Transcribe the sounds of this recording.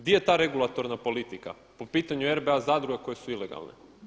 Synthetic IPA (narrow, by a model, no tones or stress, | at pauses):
ɡd̪ijet̪aːɾe̞ɡulˠat̪o̞ɾnapo̞lit̪ika̰ | po̞piːt̪aɲueɾbeazaːd̪ɾuɡeko̞je̞suileɡa̰lˠnḛ